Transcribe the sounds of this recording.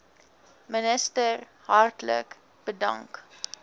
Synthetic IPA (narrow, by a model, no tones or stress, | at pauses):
mənəstər | hɐrtlə̰k | b̥ədɐ̰ŋk